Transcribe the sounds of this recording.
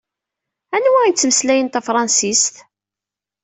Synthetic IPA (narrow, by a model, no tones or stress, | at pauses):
ænwæint͡sːməslæjənt̪æfɾˤɑnsist̪